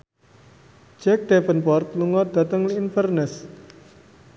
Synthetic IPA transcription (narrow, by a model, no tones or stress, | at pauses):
d͡ʒɛk̚d̪̥ɛfənpɔrt̪̚luŋɔd̪̥at̪əŋliːnfərnəs